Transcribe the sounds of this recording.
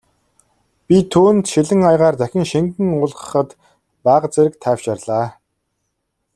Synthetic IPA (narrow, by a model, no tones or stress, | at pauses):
pʲit̪ʰːuːnt̪ʃiɮɘ̆ŋajʁaːrt͡s̪æxʲɪ̆ŋʃiŋkɘ̆ŋʊɮʁə̥̆χə̆t̪ | paːʁ̆t͡seɾɘ̆k̚t̪ʰæːwt͡ɕarɮaː